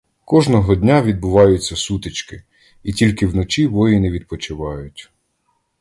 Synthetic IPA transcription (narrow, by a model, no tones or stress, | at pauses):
kɔʒnɔɦɔdʲnʲaʋʲid̪̚bʊʋɑjʊt͡sʲːɐsut̪ɪt͡ʃkɪ | itʲilʲkɪwnɔt͡ʃʲiʋɔjinɛʋʲid̪̚pɔt͡ʃɪʋɑjʊtʲ